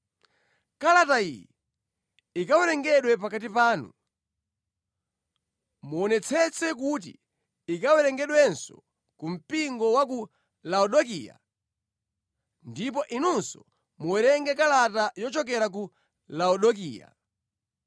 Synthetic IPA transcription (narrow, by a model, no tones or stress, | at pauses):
kalataḭjɛ | ikawɛɾɛŋɡɛɗwɛp̬akatipaːnṵ | muɔnɛt͡sʰɛt͡sɛk̬ut̬ḭː | kawɛɾɛŋɡɛɗwɛnsɔ̰ | kum̩piŋɡɔwak̬u | laɔɗɔkḭa̰ | ndip̬ɔʔinunsɔ | muwɛɾɛŋɡɛkalatajɔt͡ʃɔkɛɾak̬u | laɔɗɔkḭːja̰